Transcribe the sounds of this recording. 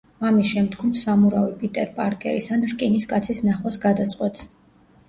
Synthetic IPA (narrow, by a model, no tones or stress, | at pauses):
amisʃɛmd̪ɡɔmsamuɾavipʼit̪ʼɛɾpʼaɾkʼɛ̰ɾisanɾkʼiniskʼat̪sʰisnaχwasɡad̪at̪sʼqʼwɛt̪s